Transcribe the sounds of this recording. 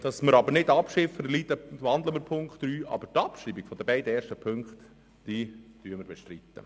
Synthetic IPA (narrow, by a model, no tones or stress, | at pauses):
d̪̥ɑsməɾɑbəɾnɪdɑpʃɪfədlit̪əʋɑnd̪ləməɾpʰʊŋkχtːɾyːʔɑ̰bəɾtɑpʃɾiːbiɡ̥fɔd̥̪əbɛɪdəɛːɾʃtəpʰɵŋkt̪ | d̥iːd̥yəməɾbɛʃtɾit̪ːə̰